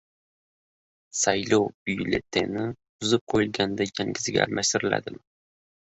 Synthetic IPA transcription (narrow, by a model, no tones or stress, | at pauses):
sajlowbʊjlḛt̪ʰenɪbʊzɪp̚qʰojɪlˠɡʲand̪ajaŋɡʲɪzɪɡʲa̰ːlmʔaʃt̪ɪɾɪla̰d̪ɪm